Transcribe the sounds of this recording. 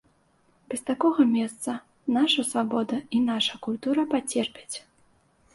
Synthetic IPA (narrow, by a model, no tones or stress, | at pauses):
bʲɛst̪akɔɣɐmʲɛst̪sɐ | naʂɐsvabɔd̪ɐinaʂɐkulʲt̪uɾɐpat͡sʲɛrpʲɛ̥t͡sʲ